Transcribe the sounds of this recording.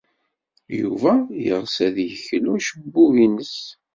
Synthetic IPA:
juvæjə̰ʁsæðjəçluʃəbːuvinəs

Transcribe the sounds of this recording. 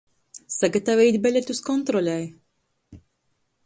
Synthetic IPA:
saɡat̪avʲɛjt̪ʲbʲelʲet̪uskɔnt̪ɾɔlʲɛj

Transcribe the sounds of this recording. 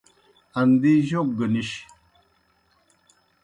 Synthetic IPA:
and̪iʒok̚ɡəniʃ

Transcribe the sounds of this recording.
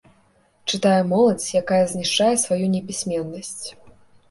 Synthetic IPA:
t͡ʂɨt̪ajɛmɔlˠɐt͡sʲjakajɐzʲnʲiʂt͡ʂajɛsvajunʲɛbʲisʲmʲɛnːɐsʲt͡sʲ

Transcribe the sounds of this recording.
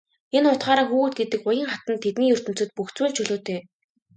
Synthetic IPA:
enχʊt̪ɢaːɾaːxuːɣɘ̆t̪̚ɡet̪ɘ̆kʊjə̆ŋχat̪ə̆nt̪ʰːet̪niːɵr̥t̪ɵ̆m̥t͡sɵ̆t̪̚puxt͡swɘːɮt͡ɕʰɵɮoːt̪eː

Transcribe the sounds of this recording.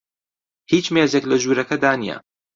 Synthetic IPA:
hiːt͡ʃmeːzeklɐʒuːɾɐkɐd̪aːnijɐ̰

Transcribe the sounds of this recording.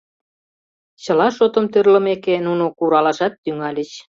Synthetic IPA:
t͡ɕə̆lɑʃot̪ə̆mt̪ørlə̆mekenunokuɾɑlɑʃɑt̪ːyŋɑlʲət͡ɕ

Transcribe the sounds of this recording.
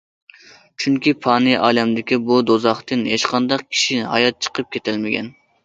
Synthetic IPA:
t͡ʃʰyŋkʲipʰɑːnɨʔɑːlɛmd̪ɪkʲibud̪ozɑχt̪ɨnɦeʃqʰɑnd̪ɑq̚kʲʰi̥ʃinɦɑ̰jɑt̪̚t͡ʃʰə̥qʰəp̚kʲʰet̪ʰɪlmɪkʲɛ̰n

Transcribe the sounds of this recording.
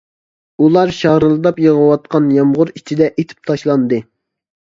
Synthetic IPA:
ulˠɑɾʃɑɾɨlˠɨd̪ɑpjəʁəwɑt̪̚qɑnjɑmʁʊɾit͡ʃʰid̪ɛʔet̪ʰɪ̥p̚t̪ʰɑʃlˠɑnd̪ɨ

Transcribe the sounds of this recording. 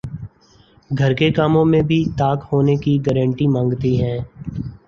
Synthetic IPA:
ɡʱɐɾkekaːmõmẽbʱit̪aːkhoːnekiɡɛɾə̃ɳʈimãːŋɡt̪iɦɛ̃ː

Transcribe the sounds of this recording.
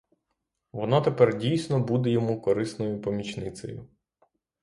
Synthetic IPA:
ʋɔnɔt̪epɛrdʲijsʲnɔbud̪ejɔmukɔɾɪsnɔjʊpɔmʲit͡ʃnɪt̪sɔ̰jʊ

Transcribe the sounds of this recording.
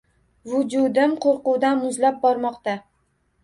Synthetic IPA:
vʊd͡ʒʊd̪ɪmqʰoɾqʊwd̪anmʊzlap̚bɒɾmɒqt̪a

